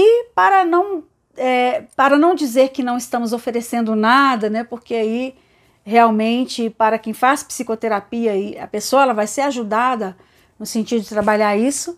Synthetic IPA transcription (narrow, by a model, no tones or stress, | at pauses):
ɪpaɾɐnɐ̃w̃ | ɛpaɾɐnɐ̃w̃d͡ʒizeɾkɪnɐ̃w̃ɪst̪ɐ̃mʊzofeɾesẽnd̪ʊnad̪ɐnɛpoɾkeai | ɦeawmẽnt͡ʃɪpaɾɐkẽj̃faspsikot̪eɾapiɐɪɐ̰pesoɐɛlɐvajseɾaʒud̪ad̪ɐ | nʊsẽnt͡ʃid̪ʊd͡ʒɪt̪ɾabaʎaɾisʊ